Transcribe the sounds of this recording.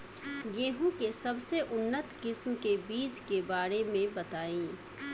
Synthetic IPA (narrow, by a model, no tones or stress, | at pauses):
ɡeːɦũkesɐbseʔʊnːət̪kɪsmkebiːt͡ʃkebaːɾemẽbɐt̪aːĩː